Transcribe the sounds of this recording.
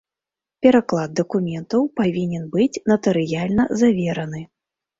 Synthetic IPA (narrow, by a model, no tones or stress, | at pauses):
pʲɛɾaklˠad̪̚d̪ɐkumʲɛnt̪ɐwpavʲinʲɛnbɨt͡sʲnɐt̪ɐɾɨjalʲnɐzavʲɛɾɐnɨ